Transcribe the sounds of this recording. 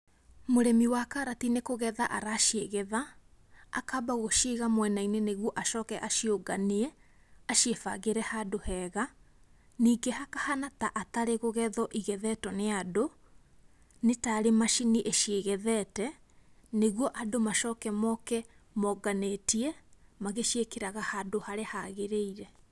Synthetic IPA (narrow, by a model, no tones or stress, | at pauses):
moɾɛmiwakaɾatinekoɣɛðaʔaɾaʃeɣɛða̰ː | kabaɣoʃiɣamwɛnaineneɣwɔʔaʃɔːkɛʔaʃioɡaniɛ | aʃiefa̰ɣeɾɛhadohɛːɣa | niːɡehakahanataʔataɾeɣoɣɛðɔʔiɣɛðɛtɔneado | netaɾemaʃiniʔeʃieɣɛðɛtɛ | neɣwɔʔadomaʃɔːkɛmɔkɛmɔɡanetiɛmaɣeʃekeɾaɣahadohaɾehaɣeɾeiɾɛ